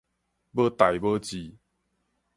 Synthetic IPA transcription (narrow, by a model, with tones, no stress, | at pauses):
bə˦t̪a˨˩jbə˦t͡ɕi˨˦